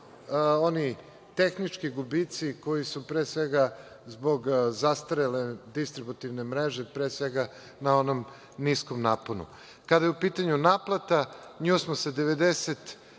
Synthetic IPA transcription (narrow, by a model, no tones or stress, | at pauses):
o̞ni | t̪exnit͡ʃkiɡubit̪siko̞jisupɾeːsʋeɡa | zbo̞ɡzast̪aɾeled̪ist̪ɾibut̪iʋne̞mɾeʒepɾeːsʋeɡa | nao̞no̞m | nisko̞mnaponṵ | kad̪ajeupiːt̪aɲunaplˠat̪aɲuːsmosed̪eʋe̞d̪eset̪